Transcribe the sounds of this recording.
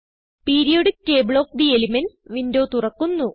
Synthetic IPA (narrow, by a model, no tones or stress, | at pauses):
piːɾijoɽikːeːbɭo̞ːk̚d̪ielimenʋindo̞ːt̪urɐkːunːu